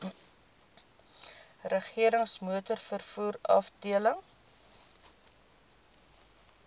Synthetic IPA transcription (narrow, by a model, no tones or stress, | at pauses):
rəχiəɾəŋsmuətərfərfuːɾɐ̰fdiələŋ